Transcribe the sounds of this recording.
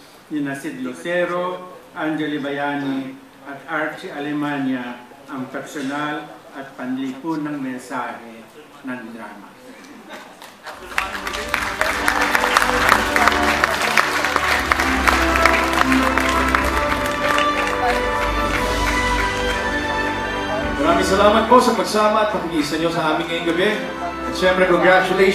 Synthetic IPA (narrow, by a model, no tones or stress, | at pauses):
jinasid̪losɛɾoʔand͡ʒɛlibajani | ʔɐt̪aɾt͡ʃialɛmanja | ʔɐŋt̪aksonal | ɐt̪̚pɐnlipunaŋmɛnsahɛ | naŋd̪ɾaːma̰ | mɐɾaːmɪŋsɐlaːmɐt̪̚po̞sɐpɐɡsaːmɐɐt̪̚pɐpʊɡisɐɲjosɐʔaːmɪŋkɐjoŋɡɐbɛ | ɐt̪ʃɛmpɾɛkoŋɡɾat͡ʃʊle